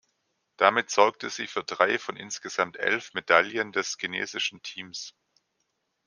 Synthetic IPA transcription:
d̥amɪtz̥ɔɐk̚təz̥iːfyːɐdʁaɪfɔnʔɪ̰nsɡ̥əz̥amtʔɛ̰lfmedaljəndɛskinḛːzɪʃn̩tʰiːms

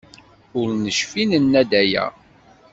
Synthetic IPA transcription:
ʊɾnəʃfinənːæd̪æjæ̰

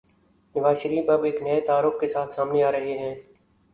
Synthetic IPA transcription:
nəʋaːzʃəɾiːfɐbeːknɐet̪aːɾʊxkesaːt̪ʰsaːmneaːɾɐɦeɦɛ̃ː

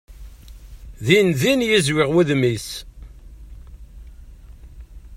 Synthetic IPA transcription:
ðinðinjizwɪʁwæðmis

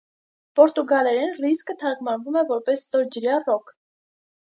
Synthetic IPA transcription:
pɔɾt̪uɡɑlɛɾɛnriskət̪ʰɑɾkmɑnvumɛvɔɾpɛsːt̪ɔɾd͡ʒəɾjɑrɔkʰ

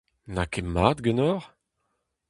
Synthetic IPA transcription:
nakemaːd̪ɡənɔʁ

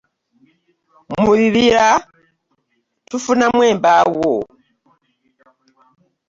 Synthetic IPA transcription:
muɾiβiɾa | tufunamweːmbawo

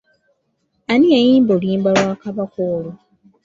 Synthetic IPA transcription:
aniajiːmboliːmbalwaːkaβakoːlo

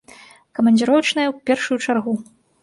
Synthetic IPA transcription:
kɐmɐnʲd͡zʲiɾɔwt͡ʂnɐjɐwpʲɛrʂujut͡ʂarɣu

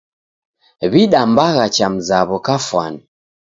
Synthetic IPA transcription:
βiɗambaɣat͡ʃam̩zaβɔkafwani

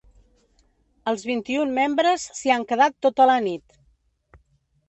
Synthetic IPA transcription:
əlˠzβint̪iummembɾəsːiaŋkəðat̪ːot̪ələnit̪

